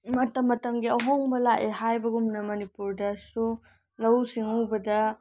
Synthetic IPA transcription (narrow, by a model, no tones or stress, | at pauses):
mɐtɐmːɐtɐŋɡiɐɦoŋbɐlaʔeɦajbɐɡumnɐmɐnipuɾdɐsu | lɐwsiŋubɐdɐ